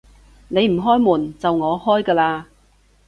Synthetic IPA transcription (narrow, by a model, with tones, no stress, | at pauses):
ne˨˧jm̩˨˩ɦɔː˥jmuː˨˩nt͡sɐ˨wŋɔː˨˧hɔː˥jkɐː˧laː˧